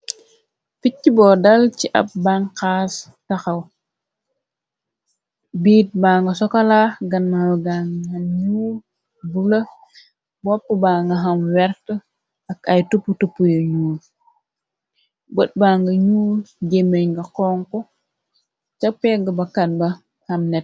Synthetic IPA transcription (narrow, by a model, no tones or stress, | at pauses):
ficːibɔːdɐlt͡ʃiʔɐ̰p̚baŋkaːs | tɐxɐw | biːt̚baːŋɡɐsɔkɐlaːɡɐnːawɡaŋɐnɲuːl | bulɐ | bɔpːəbaːŋɡɐɦɐmwɛɾtə | ɐkɐjtupːutupːujoɲuːl | bət̚baːŋɡɐɲuːlɟemejŋɡɐkɔːŋkɔ | t͡ʃɐpɛɡɐbɐkɐn̚bɐ | hɐmnɛt̚